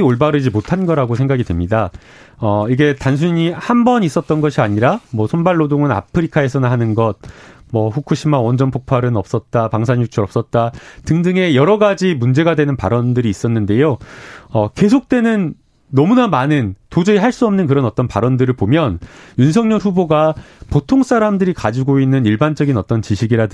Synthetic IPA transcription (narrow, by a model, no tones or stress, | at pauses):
oɭbaɾɯd͡ʑimotʰanɡʌɾaɡosʰeŋɡaɡidwemɲida | ʌiɡe̞tans̬ʰuɲihambʌnis͈ʌt̚t͈ʌnɡʌɕʰiaɲiɾamwʌsʰonbaɭːodoŋɯna̰pʰɯɾikʰae̞sʰʌnɯnɦanɯnɡʌt̚ | mʌɸukʰuɕʰimawʌnd͡ʑʌnpʰok̚pʰaɾɯnʌp̚s͈ʌt̚t͈apaŋsʰaɲjut͡ɕʰuɾʌp̚s͈ʌt̚t͈atɯŋdɯŋe̞jʌɾʌɡad͡ʑimund͡ʑe̞ɡadwe̞nɯnpa̰ɾʌndɯɾiːs͈ʌnːɯnde̞joʌke̞sʰok̚t͈we̞nɯnː | ʌmunamanɯntod͡ʑeiɦaɭs͈uʌmnɯnkɯɾʌnʌt͈ʌnpaɾʌndɯɾɯɭpomjʌnjunsʰʌŋɲʌɭɸuboɡapotʰoŋs͈ʰaɾamdɯɾikad͡ʑiɡoinːɯniɭband͡ʑʌɡinʌt͈ʌnt͡ɕiɕʰiɡiɾa